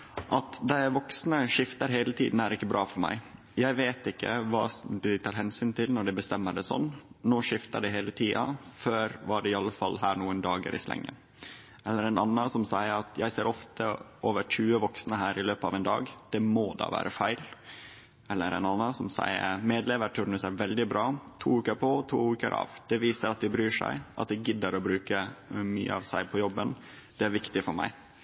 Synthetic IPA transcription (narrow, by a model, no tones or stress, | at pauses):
ʔɑt̪d̪ɛʋɔksnəʂɪft̪əɾɦæɪlət̪ʰḭːd̪n̩æɾɪkːəbɾʔɑːfɔɾmæ̰ɪ | jæɪʋeːt̪ɪkːəʋɑ̰ːd̪ɪt̪ʰɑːɾhɛnsyːnt̪ʰɪlnɔɖɪbəst̪ɛmːəɖɛsɔ̰nːnoːʂɪft̪əɖɛɦeːlət̪ʰiːɑføːɾʋɑɖɛɪɑlːəfɑlːɦæːɾɳuːənd̪ɑːɡə̰ɾʔɪ̰slɛ̰ŋːə̰ | ɛlːəɾɛnɑnːəsɔmsæɪəɾɑt̪ʰjæɪseːɾʔɔft̪ʰə | oːʋəʈʰʉːəʋɔksnəɦæːɾɪløːpɑʋɛnd̪ɑ̰ːɡd̪̥ɛmod̪ɑ̰ːʋæ̰ːɾʔəfæɪl | ɛlːəɾɛ̰nɑnːəsɔmsæ̰ɪə̰ɾmeːd̪leːʋəɾʈ̪ʰʉɾɳəsæɾʋɛld̪ɪbɾɑːt̪ʰṵːʉːkəɾpʰɔt̪ʰṵːʉːkə̰ɾʔɑ̰ːʋd̪̥ɛʋiːsəɾɑt̪̚d̪ɪbɾyːʂæ̰ɪʔɑ̰t̪̚d̪ɛɡɪd̪əɾɔbɾʉːkəmy̰ːə̰ɑʋsæɪpʰɔjɔbːən | d̪̥ɛæɾʋɪkt̪ɪfɔɾmæ̰ɪ